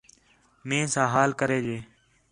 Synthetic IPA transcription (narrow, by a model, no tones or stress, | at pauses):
mẽːsãːɦaːlkəɾeːd͡ʒeː